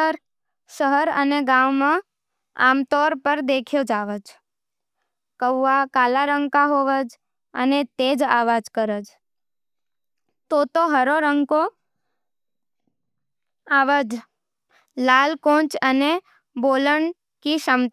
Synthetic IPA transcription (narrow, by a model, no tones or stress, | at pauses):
əɾ | ʃəɦəɾə̰neɡãʋmã | a̰ːmt̪ɔɾpəɾd̪ekʰjod͡ʒaːʋəd͡ʒ | kəʋːakalaɾəŋɡkaɦoʋəd͡ʒ | ə̰net̪eːd͡ʒa̰ʋad͡ʒkəɾəd͡ʒ | t̪ot̪oɦəɾoɾəŋɡko | aʋəd͡ʒ | lalkõt͡ʃəne | boləɳ | kiʃəmt̪